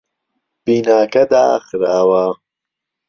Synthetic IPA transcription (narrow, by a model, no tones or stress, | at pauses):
b̥inaːkɐd̪aːxɾaːwaː